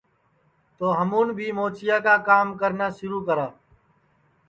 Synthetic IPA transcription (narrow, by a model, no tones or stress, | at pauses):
t̪oːɦəmuːnbʱiːmoːt͡ʃɪjaːkaːkaːmkəɾnaːʃʊɾuːkəɾaː